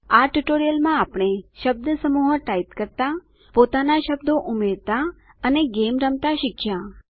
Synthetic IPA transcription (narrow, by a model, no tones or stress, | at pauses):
aʈuʈoɾijəlmãapɳ̃eʃəb̚d̪əsəmuɦəʈait̪kəɾt̪a | pot̪anaʃəb̚d̪õʔumeɾt̪a | əneɡemɾəmt̪aʃɪkʰjã